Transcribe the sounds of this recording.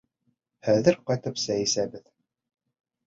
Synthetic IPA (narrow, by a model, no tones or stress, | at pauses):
hæðɘɾqɑjt̪ɤpsæjisæbɘð